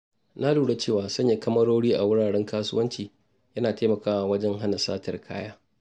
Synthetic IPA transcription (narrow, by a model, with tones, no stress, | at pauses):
na˦luː˨ɽe˦t͡ʃeː˦˨waː˨sɐ˦ɲja˨kɐ˦mɐ˦ɽoː˦ɽiː˦ʔa˨wʊ˦ɽaː˨ɽɛ˦ŋkaː˦sʊ̰˦wɐ˦nt͡ʃiː˨ | jɐ˦naː˨teː˦mɐ˨kaː˦waː˨wɐ˦d͡ʒɛ˦ŋɦa˦na˨sa̰ː˦tɐ˨rkʰa̰ː˦jaː˦